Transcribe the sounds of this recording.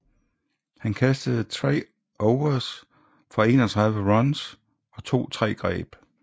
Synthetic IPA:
hænkʰæsd̥əð̞̩ˠt͡sʰʁɛ̰ː | ʔɒʊɐs | fɒ̽e̝̰ːnɒt͡sʰʁɑ̈ðˠʋəʁɒns | ɒ̽t͡sʰo̝̰ːt͡sʰʁɛ̰ːɡ̥ʁɛ̰ːb̥

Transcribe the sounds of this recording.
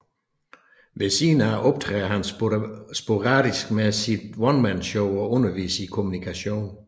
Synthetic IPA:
ʋesiːnæʔɒ̽b̥̚t͡sʰʁɛ̰ːɐɦænsb̥o̝ʁɑ̰̈ːd̥isɡ̥mesid̥ʋɒnmænɕɔʊɒ̽ɔ̽nɐʋḭːsəikʰo̝munikʰæɕo̝̰ːn

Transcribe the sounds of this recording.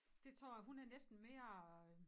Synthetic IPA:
d̥e̝t͡sʰʁo̰ːjɐɦunæɐnesd̥n̩meɐ

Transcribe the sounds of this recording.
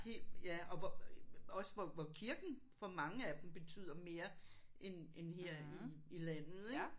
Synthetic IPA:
he̝̰ːljæɒ̽ʋɒɒ̽sʋɒʋɒkʰiɐɡ̥n̩ | fɒ̽mɑ̈ŋəæd̥emb̥e̝t͡sʰy̰ð̰ˠɐme̝ːɐ | ʔenenɦeɐ̰iilæn̰ð̩ˠeɡ̥

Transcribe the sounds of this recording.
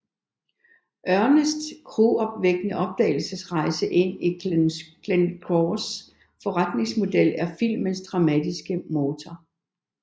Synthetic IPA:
ʔɶɐnəsd̥kʰʁoɒ̽b̥ʋeɡ̥nəʔɒ̽b̥̚d̥ɛ̰ɪl̩səsʁɑ̈ɪsəʔe̝n̰i | lenkʰɒs | fɒ̽ʁad̥ne̝ŋsmo̝d̥el̰æɐfil̰mənsd̥ʁɑ̈mæd̥isɡ̥əmo̝ːt͡sʰɒ

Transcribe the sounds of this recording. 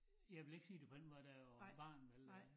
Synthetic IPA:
jɑ̈ɪʋe̝le̝ɡ̥siːd̥e̝pʰɒ̽d̥enmɔd̥æb̥ɑ̈ːnelɐ

